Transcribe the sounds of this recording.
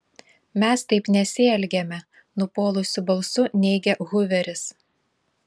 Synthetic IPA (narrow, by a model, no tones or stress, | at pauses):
mʲɛst̪ɐɪpnʲɛsʲɪɛlʲɡʲɛmʲɛ | nʊpoːlˠʊsʲʊbɐlˠsʊnʲɛɪɡʲɛɣʊʋʲɛɾʲɪs